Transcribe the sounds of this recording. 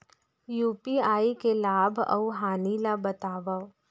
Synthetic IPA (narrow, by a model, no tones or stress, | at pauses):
juːpiaːikelaːbʱɐ̰uɦaːniːlabɐt̪aːʋa